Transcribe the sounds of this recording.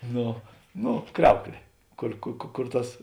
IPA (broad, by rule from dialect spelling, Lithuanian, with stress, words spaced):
ˈnoː ˈnoː ˈkrʲɛʊklʲeː ˈkʊr kʊ kʊ kʊr ˈtɐs